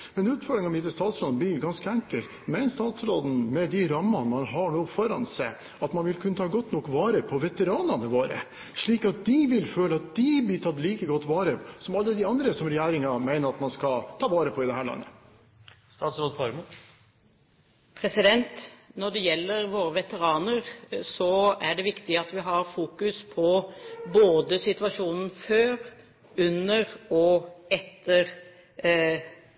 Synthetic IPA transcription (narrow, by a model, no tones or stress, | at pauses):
mɛnʉːt̪fɔɾɖ̪ɾɪŋɔmɪt̪ːəst̪ɑːt̪sɾoːd̪n̩b̪lɪɡɑnskəæŋkəl | mæɪnst̪ɑːt̪sɾoːd̪n̩mɛd̪ɪɾɑmːɑnmɑnɦɑɳuːfɔɾɑ̰nsɛɪ | ɑt̪mɑnʋɪlkʰʉnːət̪ʰɑːɡɔt̪ːnɔkʋɑːɾəpʰɔʋɛt̪əɾɑːnɑnəʋoːɾə̰ | ʂɭiːkɑt̪̚d̪ɪʋɪlføːləɑt̪̚d̪ɪblɪt̪ʰɑt̪ːliːkəɡɔt̪ːʋɑːɾəsɔmɑlːəd̪ɪɑnd̪ɾəsɔmɾɛjæːɾɪŋɑmæɪnəɾɑt̪mɑnskɑt̪ʰɑːʋɑːɾəpʰɔɪd̪ɛhæːɭɑ̰nːə̰ | st̪ɑːt̪sɾoːd̪fɑɾmə | pʰɾɛsɪd̪ɛnt̪nɔɖɛjɛlːəɾʋoːɾəʋɛt̪əɾɑːnəɾsɔæɖɛʋɪkt̪ɪɑt̪ʋɪɦɑɾfuːkʉspʰɔboːd̪əsɪt̪ʋɑʂuːnn̩føːɾ | ʉnəɾɔɛt̪ʰːəɾ